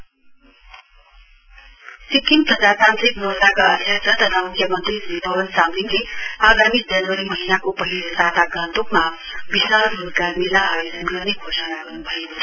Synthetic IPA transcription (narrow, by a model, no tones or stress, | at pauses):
sikimt̪ʌt̪ʰasãnt̪ɾiknoɾt̪akaʌd̪ʱjʌsʌt̪ʌt̪ʰamukʰjʌmʌnt̪riibʱʌbʌnsamlinleaɡamid͡zʌnwʌɾimʌɦinakopʌɦiɾosat̪aɡant̪okma | bisauɡarmilaajod͡zʌnɡʌrnekʰosanaɡʌrnubʱʌjeko